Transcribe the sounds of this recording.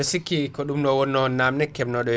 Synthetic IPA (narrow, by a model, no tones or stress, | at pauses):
sikːikɔɗumnɔwɔnːɔnːamnɛkːɛmnɔɗɔ